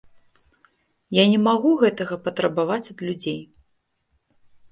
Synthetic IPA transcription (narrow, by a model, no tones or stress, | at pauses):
janʲɛmaɣuɣɛt̪ɐɣɐpɐt̪ɾɐbavat͡sʲɐd̪lʲud͡zʲej